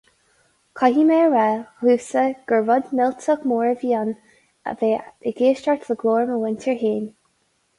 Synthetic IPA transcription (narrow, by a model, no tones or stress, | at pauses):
kʰɑɦiːmeɹɹɛhuːsəɡ̥əɹvʊd̪mɪltʰəkmoːɹəviːɑn | ə̰veːəɡeːʃtaɹt̪ʰləɡloːɹməwɪntʰəɹɦeːn